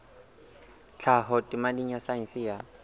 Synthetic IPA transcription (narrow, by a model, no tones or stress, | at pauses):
t͡ɬʰaɦɔtʼɪmadiɲ̩jasainsɪja